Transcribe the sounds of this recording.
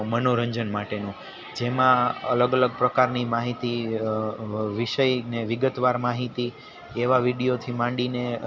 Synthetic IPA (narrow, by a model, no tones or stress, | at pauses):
mənoɾə̃ɲd͡ʒənmaʈenũ | d͡ʒemãə̰ləɡələɡ̚pɾəkaɾnimaɦit̪i | ʋiʃəjneʋɪɡət̪ʋaɾmaɦit̪i | eʋaʋiɽijot̪ʰimãɳɖine